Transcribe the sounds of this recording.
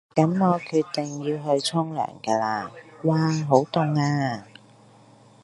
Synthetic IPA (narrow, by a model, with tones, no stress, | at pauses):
kɐ˨˥nmɔː˨˧kʰyː˧t̚t̪ɪ˨˩ŋjiː˧wɦɵ˧ɥt͡sʰɔ˥ŋlœ̰ː˨˩ŋkɐː˧laː˧waː˧ɦo˨˥wt̪ʊ˨˧ŋaː˧